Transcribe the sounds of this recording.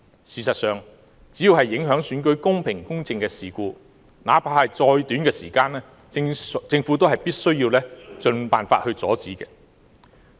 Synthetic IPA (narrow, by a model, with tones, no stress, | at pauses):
siː˨˧sɐ˨t̚sœː˨ŋ | t͡siː˨˥ji˨˧whɐ˨jːɪ˨˥ŋɦœː˨˥ŋsyː˨˥nk̬ɵ˨˥ɥkʊ˥ŋpʰɪ˨˩ŋkʊ˥ŋt͡sɪ˧ŋkɛː˧siː˨kuː˧ | na̰ː˨˥pʰaː˧˥hɐ˨jt͡sɔː˧jt̪yː˨˥nkɛː˧siː˨˩kaː˧nɛː˥ | t͡sɪ˧ŋfuː˨˥t̪̬o˥whɐ˨jpiː˥t̚sɵ˥ɥjiː˧wlɛː˥t͡sɵ˧npaː˨nfaː˧t̚hɵ˧ɥt͡sɔː˨˥t͡siː˨˥kɛː˧